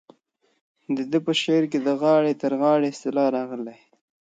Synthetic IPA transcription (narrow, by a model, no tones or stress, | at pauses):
d̪əd̪əpəʃeɾk̬ed̪əɣɑɽet̪əɾɣɑɽeɪst̪ɪlɑɾɑɣəle